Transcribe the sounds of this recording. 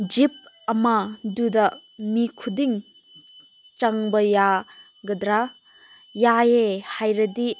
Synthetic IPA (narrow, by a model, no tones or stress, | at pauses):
d͡ʒip̚ | ɐmadudɐmikʰudiŋ | t͡ʃaŋbɐja | ɡɐdɾa | jajehajɾɐdi